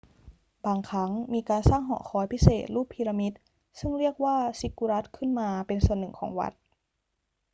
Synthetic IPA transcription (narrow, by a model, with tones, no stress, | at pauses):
baː˧ŋkʰa˦˥ŋmiː˧kaː˧nsaː˥˩ŋɦɔ̰˨˩xʰɔː˧˦jpʰi˦˥sḛː˨˩t̪̚luː˥˩pʰi˧ɾa˧mi˦˥t̪̚ | sɯ˥˩ŋɾi˥˩ək̚waː˥˩si˦˥kːu˧ɾa˦˥t̪̚kʰɯ˥˩nmaː˧pe˧nsu˨˩ənːɯ˨˩ŋkʰɔ̰ː˩˦ŋwa̰˦˥t̪̚